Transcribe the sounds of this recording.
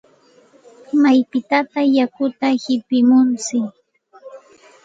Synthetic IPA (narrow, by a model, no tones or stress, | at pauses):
majpɪt̪at̪ajakʊt̪ahɪpɪmʊnt͡sɪ